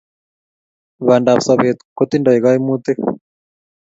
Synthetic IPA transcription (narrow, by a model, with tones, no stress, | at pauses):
βa˨nda˨βsa˨βe˨t̪ko˦t̪i˦nda˨i˨ɣa˦i˦mu˦t̪e˦